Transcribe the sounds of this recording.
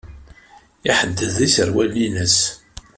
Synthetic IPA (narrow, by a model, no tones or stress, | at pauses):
iħəd̪ːəðisəɾwælːinəs